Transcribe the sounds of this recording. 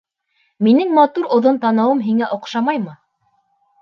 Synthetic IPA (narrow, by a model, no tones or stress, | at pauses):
minɘŋmɑt̪uɾŏðont̪ɑnɤ̆wɤmɦiŋæʔŏqʃɑmɑjmɤ